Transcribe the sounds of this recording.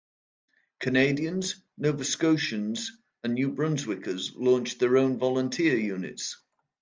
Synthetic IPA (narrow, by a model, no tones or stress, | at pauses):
kʰəneɪdiə̃nz | noʊvəskoʊʃə̃nz | ə̃nːjʉːbɹʌ̃nzwɪkəzlɔ̃ˑnt͡ʃðəɹõʊ̃nvɒlə̃ntʰɪəjʉːnɪ̰ts